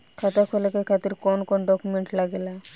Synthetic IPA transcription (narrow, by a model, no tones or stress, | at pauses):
kʰat̪akʰolakekʰat̪iɾkɔnkɔɳɖɔkumeɳʈlaɡela